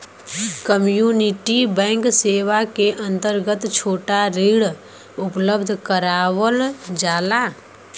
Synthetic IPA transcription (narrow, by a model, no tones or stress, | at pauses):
kəmjuːnɪʈibɛ̃ːŋkseːʋakeʔə̃nt̪əɾɡət̪t͡ʃʰoːʈaɾiːɽ | ʊpləbd̪ʱkəɾaːwəld͡ʒaːlaː